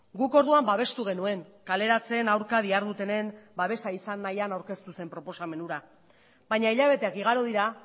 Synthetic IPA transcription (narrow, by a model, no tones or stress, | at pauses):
ɡuko̞ɾðuambaβ̞e̞st̪uɣ̞e̞nue̞ŋkale̞ɾat͡se̞ːnawɾkaðiaɾðut̪e̞ne̞mbaβ̞e̞saisanːajanawɾke̞st̪use̞mpɾo̞po̞same̞nuɾa | βaɲaiʎaβe̞t̪e̞akiɣ̞aɾoð̞iɾa